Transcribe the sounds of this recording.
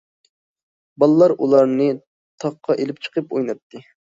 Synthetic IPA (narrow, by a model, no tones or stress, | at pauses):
bɑlˠɨlˠɑɾulˠɑɾnɨ | t̪ʰɑq̚qʰːɑʔelɪp̚t͡ʃʰə̥qʰəpojnɑp̚t̪ʰːɨ